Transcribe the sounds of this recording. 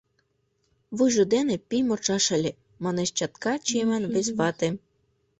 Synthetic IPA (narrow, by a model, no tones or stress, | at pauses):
βɯʒod̪enĕpimort͡ʃɑʃə̆lʲe | mɑneʃt͡ɕɑt̪kɑt͡ɕemænβesβɑt̪e